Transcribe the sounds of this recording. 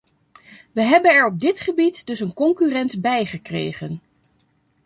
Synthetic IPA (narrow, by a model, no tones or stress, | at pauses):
ʋəɦɛbənɛɹɔb̚dɪtχəbitdɵsənkɔŋkyrɛntbɛjχəkrḛjχən